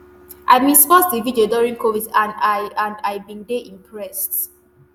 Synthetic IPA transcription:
ʔa̰ɪmĩsfɔsdividioduɹĩŋkʰovidãndaãndajbĩndeʔĩmpʰɹɛst

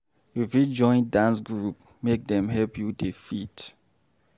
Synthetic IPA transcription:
ifjud͡ʒɔ̃ɪ̃ndãnsɡɹup | mek̚d̪ɛ̃mɦɛlpʰjudifit

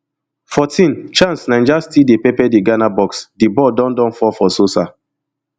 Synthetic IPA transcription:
fɔtʰĩnt͡ʃãnsnãnd͡ʒastidepɛpɛdeɡanabɔksdebɔdɔ̃ndɔ̃nfɔfɔsosa

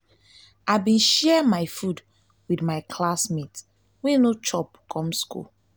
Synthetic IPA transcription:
aɪbĩnʃɛmaɪfud | widmaɪkʰlasmit | winot͡ʃɔpkʰɔ̃mskṵl

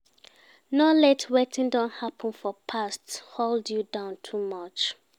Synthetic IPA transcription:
nɔlɛtʰwɛtɪ̃ndɔ̃nhapʰə̃nfɔpʰastholdjudãʊ̃ntʰumʌt͡ʃ

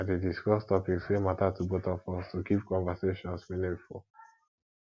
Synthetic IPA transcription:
atediskɔstɔpikswematatʰubɔtəfɔstukip̚kɔ̃nvəseʃɔ̃nsminĩŋful

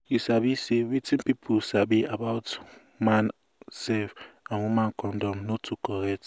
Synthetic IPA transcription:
jisabisewitĩnpipʰusabiabaʊt | man | sɛfamumãnkɔndɔmnotʰukɔɾɛt

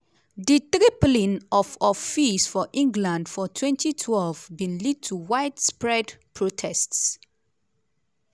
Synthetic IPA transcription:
ditɹiplĩnɔfɔfisfɔʔĩŋɡlãndfɔtʰwɛ̃ntitʰwɛlvbĩnlid̚tʰuwaɪtspɹɛdpʰɹotʰɛsts

